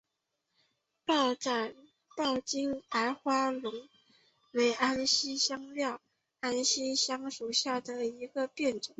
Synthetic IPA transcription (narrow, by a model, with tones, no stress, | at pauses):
pɑ˥˩ʊʈ͡ʂa˥˩n | p̪ɑ˥˩ʊt͡ɕi˥ŋa˧˥ɪxwa˥lʊ˧˥ŋ | we˧˥ɪʔa˥nɕi˥ɕjɑ˥ŋljɑ˥˩ʊ | a˥nɕi˥ɕjɑ˥ŋʂu˨˩ɕja˥˩d̪ə˩i˧˥ɡə˧pjɛ˥˩nʈ͡ʂʊ˨˩˦ŋ